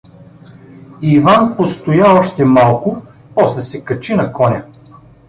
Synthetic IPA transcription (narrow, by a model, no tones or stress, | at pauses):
ivanpost̪ʊjaɔʃt̪ɛmalˠkʊ | pɔslɛsɛkɐt͡ʃinɐkɔnʲɐ